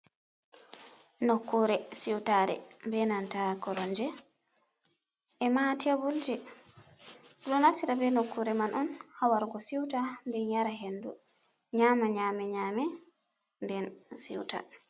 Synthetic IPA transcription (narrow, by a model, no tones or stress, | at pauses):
nokːuɾɛsiwtaɾɛ̰bɛnantakɔɾɔnd͡ʒɛ | ɛmatɛbuld͡ʒɛ | ɗɔnafsitabɛnokːuɾɛmanʔɔnhawaɾɡɔsiwtandɛnjaɾaɦendu | ɲamaɲamɛɲamɛ | ndɛnsḭwta̰